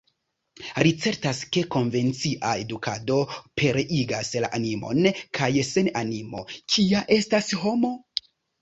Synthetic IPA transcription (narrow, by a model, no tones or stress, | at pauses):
ɾit͡se̞ɾtaske̞ko̞nve̞nt͡siʔae̞dukʰado̞pʰe̞ɾeʔiɡasla̰ʔanimo̞̰nkʰajse̞nanimo̞̰kʰiaʔe̞stasɦo̞mo̞